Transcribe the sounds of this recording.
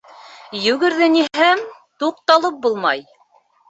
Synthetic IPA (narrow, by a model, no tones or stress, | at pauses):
jɵ̆ɡɘ̆ɾðɘniɦæmt̪uq̚t̪ɑlˠɤp̚bulˠmɑj